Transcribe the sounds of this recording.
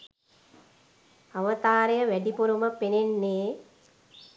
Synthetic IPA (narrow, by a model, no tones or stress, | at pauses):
aʋət̪aːɾejəʋæɖipuɾuməpenenːeː